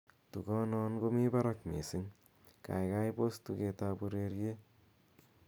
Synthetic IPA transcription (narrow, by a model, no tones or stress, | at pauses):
t̪uɡɔnɔnɡomibaɾɐkmesiŋ | ka̰jɡajpost̪uɡet̪abuɾeɾie